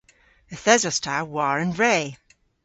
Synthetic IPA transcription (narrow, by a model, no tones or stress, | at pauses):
əθɛzɔstʰawaɹə̃nɹeː